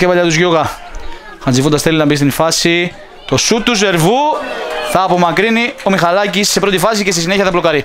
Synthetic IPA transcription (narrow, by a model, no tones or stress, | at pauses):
epɐʎɐt̪uzʝoɣɐ | xɐnd͡zifond̪ɐst̪elinɐmbist̪infɐsi | t̪osut̪ːus̬e̞ɾvuθɐːpo̞mɐkɾiniomixɐlɐcisːepɾot̪ifɐs̬icest̪is̬ineçɐðɐplokɐɾi